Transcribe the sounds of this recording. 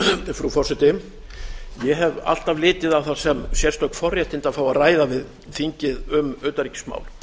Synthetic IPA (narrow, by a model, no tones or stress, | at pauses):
fɾufɔrsɛt̪ɪm | jɛɦɛva̰l̥t̪avlɪːt̪ɪðawθasɛmsjɛrst̪œkfɔrjɛjht̪ɪnt̪aðfaːwaðraːjðavɪð | fiɲcɪðʏmœːt̪aɾicɪ̥sma̰ːwl